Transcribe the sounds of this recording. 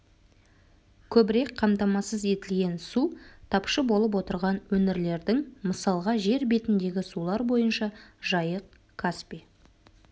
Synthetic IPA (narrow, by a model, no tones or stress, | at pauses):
kʲʰɵbɪɾek̚qʰɑmt̪ɑmɑsəze̞t̪ɪlɡʲe̞nsut̪ʰɑpʃəbo̞lˠəp̬wo̞t̪əɾʁɑnwɵnɪɾle̞ɾd̪ɪŋməsɑlˠʁɑʒe̞ɾbe̞t̪ɪnd̪e̞ɡʲɪsulˠɑɾbo̞jənʃɑʒɑjəq̚ | kʰaspi